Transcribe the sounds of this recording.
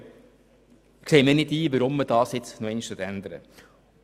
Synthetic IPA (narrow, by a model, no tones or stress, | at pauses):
kseɪmɪːɾnɪdiːʋəɾʊmːəd̥ɑːsɪt͡snoɛnʃtət̪ænd̪əɾə̰